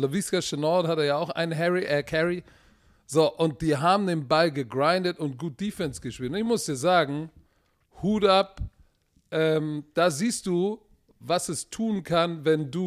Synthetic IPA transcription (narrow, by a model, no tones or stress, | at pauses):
loviskaʃɛnɔthateːɐjaaʊxʔa̰ɪnənɦɛʁiʔɛɐkʰɛʁi | zoːʔʊnt̚d̥iːɦaːbm̩neːbm̩baɪlɡəɡʁaɪndətʊnt̚ɡ̥uːt̚d̥iːfɛnsɡ̥əʃpiːltʊnɪçmʊsd̥iːɐzaːɡŋ̩ | huːtap | ʔɛːmd̥aːziːst̚d̥uː | vasɛstʰuːnkʰanvɛnduː